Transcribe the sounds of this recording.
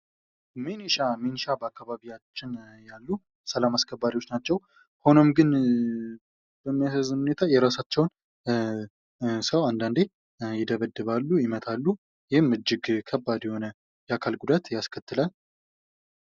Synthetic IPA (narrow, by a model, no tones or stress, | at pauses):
miniʃaminiʃabəakːaβaβijat͡ʃːɪnjalːu | səlamaskʰəbːaɾiwot͡ʃːnat͡ʃːɛw | ho̞no̞mɡɨn | b̥əmːijasəzɨnhune̞t̪ʰajɛɾasat͡ʃːɛwn | səwand̪and̪e | jɪd̪əβəd̪ːɨβalːujɪmət̪ʰalːu | jɪhɪmɨd͡ʒːɪɡkʰəbːad̪jɛho̞nə | jɛakʰalɡud̪at̪jaskʰət̪ːɨlal